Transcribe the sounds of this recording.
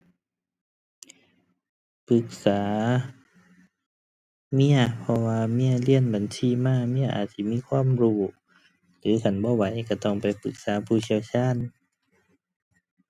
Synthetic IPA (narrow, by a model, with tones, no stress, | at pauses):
pɯ˧˦k̚saː˨˦ | mi˧˥˨ɐpʰɔ˧waː˧mi˧˥˨ɐ˨li˧˥ə˨nba˨nsiː˧˥˨maː˧˩˨mi˧˥˨ɐʔa̰ː˨˩t̪̚si˧˨miː˧˥˨kʰwaː˧˥˨mɾuː˧˩ | lɯː˨˦kʰa˧˩nbɔː˧˦wa˨˦jka˧˩t̪ɔ˧˩ŋpa˨jpɯ˨˧˦k̚saː˨˦pʰuː˧˩si˧˨əwt͡ɕʰaː˧˥˨n